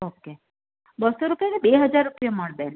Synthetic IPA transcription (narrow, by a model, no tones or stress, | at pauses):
okːe | bəsoɾupjakebeɦəd͡ʒaɾːupijəməɭben